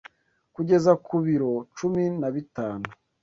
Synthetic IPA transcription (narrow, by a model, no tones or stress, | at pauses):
kuɟe̞zakʰuβiɾot͡ʃuminaβitaːnu